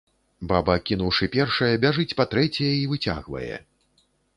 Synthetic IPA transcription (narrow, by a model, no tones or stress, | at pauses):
babɐkʲin̪uwʂɨpʲɛrʂɐjɐbʲaʐɨt͡sʲpat̪ɾɛt͡sʲɛjɐivɨt͡sʲa̰ɣvɐ̰jɛ̰